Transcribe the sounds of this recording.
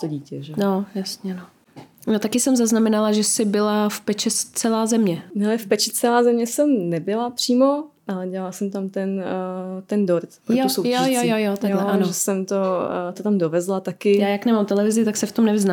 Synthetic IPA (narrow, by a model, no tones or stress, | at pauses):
t̪oɟiːcɛʒɛnojasɲɛno | not̪akɪsɛmzaznamɛnalaʒɛsɪbɪlafpɛt͡ʃɛt͡sɛlaːzɛmɲɛnɛlɛfpɛt͡ʃɪt͡sɛlaːzɛmɲɛsɛmnɛbɪlapr̥iːmo̞ʔalɛɟɛlalsɛmt̪amt̪ɛn | t̪ɛndoɾt̪pɾjoosowjojojojot̪aɡlɛʔanoʒɛsɛmt̪ot̪ot̪amdovɛzlat̪akɪjaːjaknɛmamt̪ɛlɛvɪzɪt̪aksɛft̪omnɛvɪzna